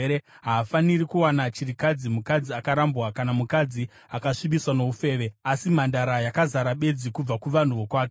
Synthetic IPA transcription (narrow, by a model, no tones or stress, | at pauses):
ɾe | ɦaːfanirikuwanat͡ʃirikad͡zimukad͡ziakaɾambwakanamukad͡zi | akaʂibiswano̞ufe̞ːʋe̞asimandaɾajakazaɾaɓe̞d͡zikub͡vakuʋan̤uʋo̞kwaːk̬e